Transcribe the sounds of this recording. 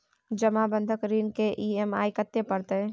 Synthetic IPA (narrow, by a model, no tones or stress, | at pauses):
d͡ʒəmabə̃nd̪ʱəkɾiːnkeʔiːema̰ːikət̪ːepɐɾt̪eɛ̃